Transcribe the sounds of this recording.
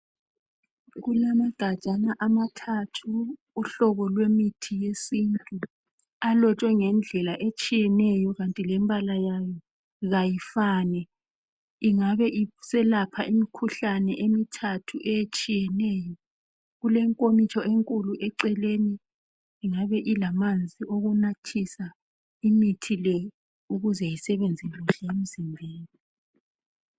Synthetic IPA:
ɣulamaɡ̥ʱad̥ʒ̥ʱanaʔamatʰatʰuː | ɬɔɣɔlwemitʰijesiːntʼu | alɔt͡ʃʼwɛŋɛnd͡ɮʱɛlaʔet͡ʃʼijɛnɛjɔɣantʼilɛmbʱalajajɔ | ɣajifaːnɛ | iŋaβɛʔisɛlapʰaʔimikʰuɬanɛʔemitʰatʰuʔɛjet͡ʃʼijɛnɛːjɔ | ɣulɛŋkʼomit͡ʃʰʼɔʔeŋkʼuluʔɛǀɛleːniː | ŋaβɛʔilamand͡zʱioɣunatʰisa | imitʰilɛ | uɣuzɛjisɛβend͡zʱiluʃɛjem̩zimbʱeːni

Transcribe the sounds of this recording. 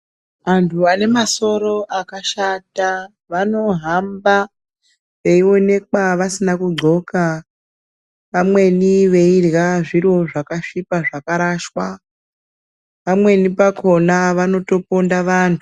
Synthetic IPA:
ʋantʰuane̞maso̞ɾo̞ʔakaʃata | ʋano̞ɦamba | ʋe̞io̞ne̞k̚waʋasinakuɡ͡ǀʱo̞ka | ʋamwe̞niʋe̞irjaʐiro̞ʐakaʂipaʐakaɾaʃwa | ʋamwe̞nipako̞naʋano̞to̞po̞ndaʋaːntʰu

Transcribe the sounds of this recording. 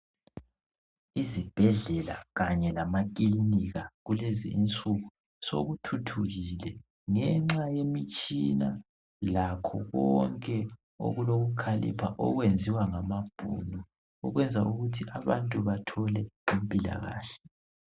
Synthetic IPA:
izib̥ʱɛɮɛla̰ɣaɲɛlamakʼiliniɣaɣulɛzḭːnt͡sʼuɣu | so̰ɣutʰutʰuɣilɛ | ŋɛŋ͡ǁajemit͡ʃʼina | lakʰɔ̰ɣɔŋkʼɛ | o̰ɣuloɣukʰalḭpʰaʔɔ̰ɣwend͡zʱiwaŋamab̥ʱṵnu | ɔɣwɛnd͡zʱaʔuɣutʰiʔaβa̰ntʼuβatʰɔlɛimpʼila̰ɣa̰ːɬɛ̥

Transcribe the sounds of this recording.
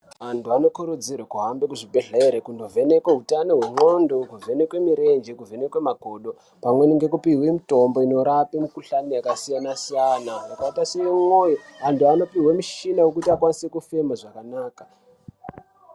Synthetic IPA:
antʰuano̞kuɾud͡zirwakuɦambekuʐibʱeɮaeɾekundo̞vʱe̞nekweɦutanoɦwe̞ŋo̞ndokuve̞ne̞kwe̞miɾe̞nd͡ʒekuve̞nekwemaɡʱo̞ːɗo̞ | pamwe̞niŋɡe̞kupiwe̞mito̞mbo̞ino̞ɾapimikuɬanijakasijanasijanaakaitaseimo̞joantʰuano̞piwemiʃinawekutiakwanisekufe̞maʐakanaːkḁ

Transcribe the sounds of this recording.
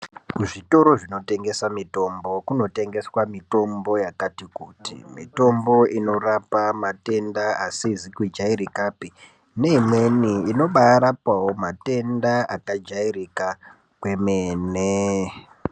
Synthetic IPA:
kuʐito̞ɾo̞ʐino̞te̞ŋɡe̞samito̞mbo̞kuno̞te̞ŋɡe̞swamito̞mbo̞jakatikutḭmito̞mbo̞ino̞rapamate̞ndaasizikwid͡ʒaiɾikaːpi | ne̞imwe̞niːno̞ɓaːɾapawo̞mate̞ndaʔakad͡ʒaiɾika | kwe̞meːne

